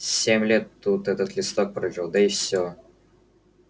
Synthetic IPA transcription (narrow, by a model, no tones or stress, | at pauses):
sʲemʲlʲet̪ːut̪ɛt̪ət̪lʲɪst̪ok̚pɾəʒʲilˠd̪əɪfsʲo